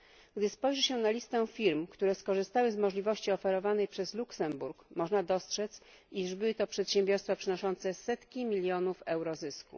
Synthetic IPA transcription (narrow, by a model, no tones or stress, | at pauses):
ɡd̪ɘspɔjʐɛɕɛnalʲist̪ɛfʲiɾmkt̪uɾɛskɔʐɘst̪awɘzmɔʐlʲivɔɕt͡ɕiɔfɛɾɔvanɛjpʂɛzluksɛmbuɾkmɔʐnad̪ɔstʂɛt̪s | iʐbɘwɘt̪ɔpʂɛt̪ɕɛ̃mbʲjɔɾst̪fapʂɘnɔʂɔnt̪sɛsɛt̪kʲimʲilʲjɔnufɛwɾɔzɘskṵ